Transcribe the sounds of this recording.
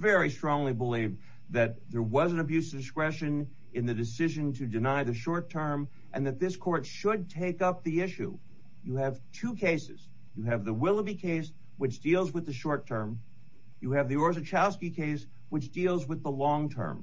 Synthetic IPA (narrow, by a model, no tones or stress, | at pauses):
vɛɹistɹ̥ɔ̃ŋlibəliv | ðɨt̪̚ðə˞wʌzɨ̃nɨbjʉsʌvdɨskɹɛʃɨ̃n | ɨ̃nðɨdɨsɪʒɨ̃ntʰɨdɨnaɪðɨʃɔɹtʰɜ̃˞m | ʔɨ̃nðɨt̪̚ðɪskʰɔɹtʃəd̚tʰeɪkʌp̚ðiɪʃʉ̰ | jɨɨv̥tʰʉkʰeɪsɨz̥ | jɨɨvðəwɪlˠəbikʰeɪs | wɨt͡ʃd̥ilˠzwəðɨʃɔɹtʰɜ̃˞m | jɨɨvðiɔɹzɨt͡ʃʰælˠskikʰeɪs | wɨt͡ʃd̥ilˠzwəðəlɔ̃ŋtʰɜ̰̃˞m